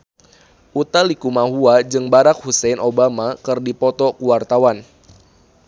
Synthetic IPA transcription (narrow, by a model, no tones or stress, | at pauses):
ʔut̪alikumaɦuad͡ʒɨŋbaɾak̚husɛnʔobamakɨrdipɔt̪ɔkuwart̪awan